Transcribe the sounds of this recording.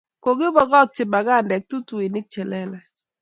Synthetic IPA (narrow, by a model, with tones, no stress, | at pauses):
ko˨ɡɪ˦bɔ˨ɡɔ˦k̚t͡ʃɪ˨ba˨ɡa˦˨ndɛ˨k̚tu˦tu˨i˨ni˦k̚t͡ʃɛ˨lɛ˦la˨